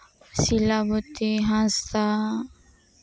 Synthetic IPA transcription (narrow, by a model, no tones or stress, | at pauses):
silabut̪iɦãst̪a